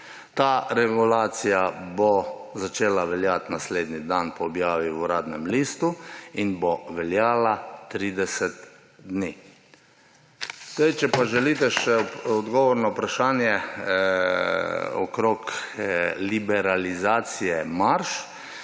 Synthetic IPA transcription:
t̪aɾɛɡulaːt̪sijabɔzat͡ʃeːlaʋɛljat̪nasleːd̪nid̪anpɔːbjaːʋiuɾaːd̪nɛmliːst̪uinbɔʋɛljaːlat̪ɾiːd̪ɛsɛt̪ | d̪ni | zd̪ajt͡ʃɛpaʒɛliːt̪ɛʃɛɔd̪ɡɔʋɔɾnɔpɾaʃaːnjɛ | ɔ̰kɾok | libɛɾalizaːt̪sijɛmaɾʃ

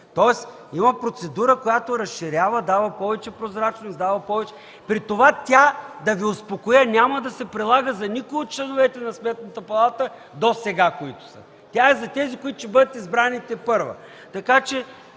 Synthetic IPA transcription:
t̪ɔɛs | imɐpɾot̪sɛd̪uɾəkojat̪oɾɐsʃiɾʲavəd̪avɐpɔvɛt͡ʃɛpɾozɾat͡ʃnosd̪avɐpɔvɛt͡ʃɛ | pɾit̪ovat̪ʲad̪ɐviʊspokojənʲaməd̪ɐsɛpɾilˠaɡəzɐnikʊiot̪̚t͡ʃlɛnovɛt̪ɛnɐsmɛt̪nət̪əpɐlˠat̪ə | d̪osɛɡakoit̪ʊ̥sə̰ | t̪ʲaɛzɐt̪ɛzikoit̪ʊ̥ʃɛbɤd̪ət̪izbɾanit̪ɛpɤɾvɐ̰ | t̪ɐkat͡ʃɛ

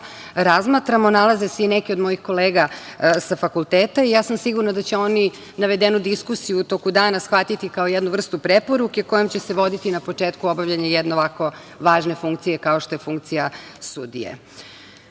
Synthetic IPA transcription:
ɾazmaːt̪ɾamonalazeseinekio̞d̪mo̞jixko̞leːɡasafakulˠt̪eːt̪aijaːsamsiɡuɾnad̪at͡ɕeo̞ni | naʋed̪enud̪iskusijuːt̪o̞kud̪aːnasxʋat̪it̪ikaojɛd̪nuʋr̩st̪upɾepo̞ɾuke̞ko̞jomt͡ɕe̞seʋo̞d̪it̪inapo̞t͡ʂeːt̪kuo̞baʋʎaɲajɛd̪neʋako̞ | ʋaːʒne̞fuŋkt̪sije̞kaoʃt̪o̞jefuŋk̚t̪sijasud̪ḭjḛ

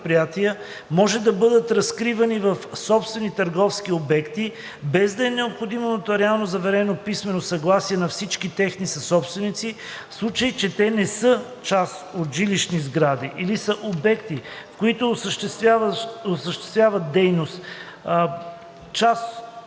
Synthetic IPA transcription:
pɾijat̪iə | mɔʒɛd̪ɐbɤd̪ət̪ɾɐskɾivɐnivɐfsɔpst̪vɛnit̪əɾɡɔfskiobɛkt̪i | bɛzd̪ɐɛnɛopxod̪imonət̪oɾɛalˠnozɐvɛɾɛnopismɛnosɐɡlˠasiɛnɐfsit͡ʃkit̪ɛxnisɐsɔpst̪vɛnit̪si | fslˠut͡ʃəjt͡ʃɛt̪ɛnɛsɤ | t͡ʃasot̪ʒiliʃnizɡɾad̪iʔilisəʔobɛkt̪ifkoit̪osʃaosəʃt̪ɛ̥st̪vʲjavət̪̚d̪ɛjnost̪ | t͡ʃas

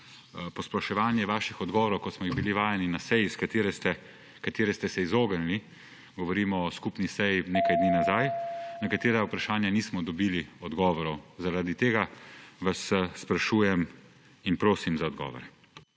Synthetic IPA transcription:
pɔspɾaʃɛʋaːnjɛʋaːʃixɔd̪ɡɔːʋɔɾɔwkɔsmɔjiɣbiliʋaːjɛninasɛjiskat̪eɾɛst̪ɛ | kat̪eːɾɛst̪ɛsɛizoːɡənli | ɡɔʋɔɾiːmɔːskupnisɛjineːkajd̪niːnazajnɛkat̪eːɾaupɾaʃaːnjaniːsmɔd̪ɔbiːliɔd̪ɡɔːʋɔɾɔwzaɾad̪it̪eːɡaʋasːpɾaʃuːjɛm | inpɾoːsimzaɔd̪ɡɔ̰ːʋɔ̰ɾɛ

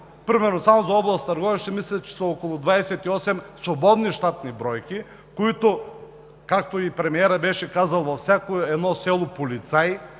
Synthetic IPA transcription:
pɾimɛɾnosamozaɔblˠast̪ɐɾɡɔvɛʃt̪ɛmislʲɛt͡ʃɛ̥sɐɔkolˠʊd̪vaɛsɛt̪iɔsɛmsobɔd̪niʃt̪at̪nibɾɔjkʲi | koit̪o | kak̚t̪oipɾɛmiɛɾəbɛʃɛkazɐlˠvɐfsʲakoɛd̪nɔsɛlˠopolit̪saj

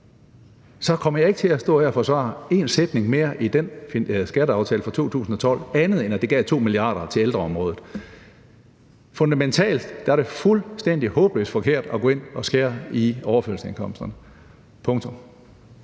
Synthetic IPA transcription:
sɒ̽kʰɒ̽m̰ɐjɑ̈e̝ɡ̥ət͡sʰe̝æsd̥ɔ̰̽ːhæɐɒfɒ̽sʋɑ̰̈e̝nsed̥ne̝ŋme̝ːɐʔid̥enfisɡ̥æɾəɑ̈ʊt͡sʰɛːləfʁɑ̈t͡sʰo̝̰ːt͡sʰṵːsn̩ɒ̽t͡sʰɒ̽l̰ænð̞̩ˠenæd̥e̝ɡ̥ɛ̰ːt͡sʰo̝̰ːmiliɑ̰̈ːɾ̥ɐt͡sʰe̝leld̥ʁɐɒ̽mʁɔ̽ːð̩ˠ | fɔ̽nd̥æment͡sʰɛ̰ːld̥d̥æɐɾ̥e̝fulsd̥en̰d̥ihɔ̽ːb̥əlø̰sfɒ̽kʰe̝ɐ̰d̥ɒɡ̥ɔ̽ːe̝n̰ɒ̽sɡ̥eːɐiɒʊɐføɐlsəe̝nkʰɒ̽m̰sd̥ɐnə | pʰɔ̽ŋt͡sʰɔ̽m

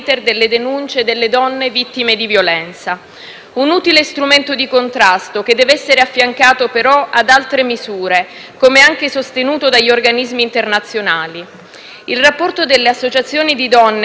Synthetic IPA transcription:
t̪erd̪elːed̪enunt͡ʃed̪elːed̪ɔnːevit̪ːimed̪ivjolɛnt̪sa | unuːt̪ilest̪ɾument̪od̪ikont̪ɾast̪ok̟ed̪ːɛːvɛsːeɾeafːjaŋkaːt̪opeɾɔad̪alt̪ɾemizuːɾe | komeaŋkesost̪enuːt̪od̪aʎːiorɡanizmiːnt̪ernat̪sːjonaːli | ilrapːɔrt̪od̪elːeasːot͡ʃat̪sːjoːnid̪id̪ɔnː

